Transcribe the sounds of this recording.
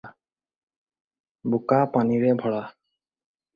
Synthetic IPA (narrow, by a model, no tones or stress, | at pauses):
bukapaniɹɛbʱɔɹa